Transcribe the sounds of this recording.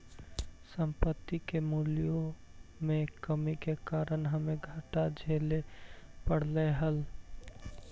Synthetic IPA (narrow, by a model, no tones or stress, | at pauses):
sə̃mpət̪ːikemuːlijomẽkəmikekaːɾənɦəmeɡʱaːʈad͡ʒʱelepəɽ̤leɦəl